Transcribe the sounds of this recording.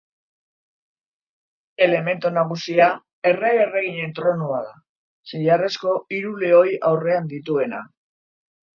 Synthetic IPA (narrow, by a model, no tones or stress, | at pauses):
e̞le̞me̞nt̪unaɣ̞usia | e̞reɣereɣ̞iɲe̞nt̪ɾo̞nuaða | siʎare̞sko̞iɾule̞o̞jawre̞and̪it̪ue̞na̰